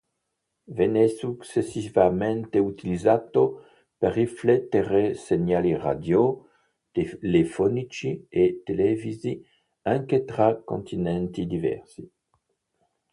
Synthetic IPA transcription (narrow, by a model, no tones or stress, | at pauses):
vɛnesuksesivament̪eut̪ilizat̪o | perːiflɛt̪ːeɾeseɲalira̰d̪jo | t̪elefɔnit͡ʃiet̪elɛvizi | aŋket̪ɾako̰nt̪inɛnt̪id̪ivɛ̰ɾsi